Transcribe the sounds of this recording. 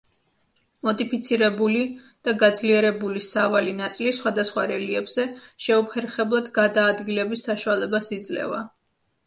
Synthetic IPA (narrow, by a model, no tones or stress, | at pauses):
mɔd̪ʼipʰit̪sʰiɾɛbuli | d̪̥aɡad̪zliɛɾɛbulisavalinat̪sʼilisχwad̪asχwaɾɛliɛbz̥ɛʃɛupʰɛɾχɛblˠad̪ɡad̪aːd̪ɡilɛbisːaʃualɛbasid̪zlɛ̰va̰